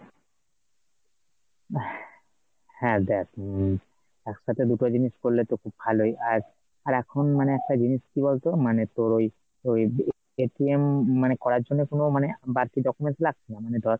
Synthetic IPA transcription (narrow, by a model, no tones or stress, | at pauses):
hɛ̃d̪ɛʈ | ɛkʰʃat̪ʰed̪uʈod͡ʑiniskoɾlet̪okʰub̚bʱalɦojʔaɾ | aɾɛkʰonmaneɛk̚ʰʈad͡ʑiniskibolt̪omanet̪oɾoj | oj | eʈiemːanekɔɾaɾd͡ʒonːekonomanebaɾkiɖɔkumenslaɡ̚tʰinamaned̪ɔɾ